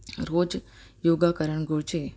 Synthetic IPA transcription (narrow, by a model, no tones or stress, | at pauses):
ɾoːd͡ʒ | joɡakəɾəɳɡoɭt͡ʃe